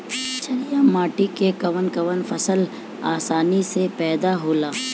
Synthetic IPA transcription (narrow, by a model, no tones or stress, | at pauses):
t͡ʃɐɾijaːmaːʈikekɐʋənkɐʋənfɐsəl | aːsaːnisepɛːd̪aɦoːlaː